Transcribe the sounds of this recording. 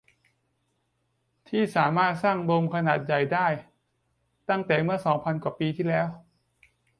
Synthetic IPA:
t̪ʰiː˥˩saː˩˦maː˥˩t̪̚saː˥˩ŋbo˧mkʰa˧naː˨˩t̪̚ja˨˩jdaː˥˩j | t̪a˥˩ŋt̪ɛː˨˩mɯ˥˩ɐəsɔː˩˦ŋpʰa˧nkwaː˨˩piː˧t̪ʰiː˥˩lɛː˦˥w

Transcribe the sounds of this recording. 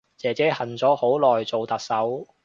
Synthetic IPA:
t͡sɛː˨˩t͡sɛː˨˥hɐ˨˩nt͡sɔː˨˥ho˨˥wlɔː˨jt͡so˨wt̪ɐ˨k̚sɐ˨˥w

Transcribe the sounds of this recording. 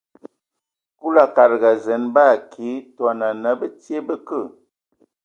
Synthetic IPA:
ku˦la˨ka˨ɾɡa˨zɛ˨˦nba˦˨kʰi˨˦twa˨na˨nə˦bə˦tje˦bə˦kə˦˨

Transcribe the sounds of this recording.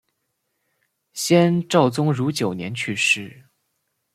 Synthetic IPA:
ɕjɛ˥nʈ͡ʂɑ˥˩ʊt͡sʊ˥ŋɻu˧˥t͡ɕjo˨˩ʊnjɛ˧˥nt͡ɕʰy˥˧ʂɻ̩˥˩

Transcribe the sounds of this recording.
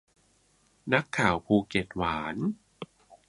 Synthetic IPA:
na˦˥kʰːaː˨˩˦wpʰuː˧ke˨˩t̪̚waː˩˦n

